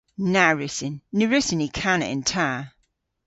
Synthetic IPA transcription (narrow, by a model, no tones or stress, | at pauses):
naɹɪsɪnːəɹɪsɪnikʰanə̰ɪ̰̃ntʰa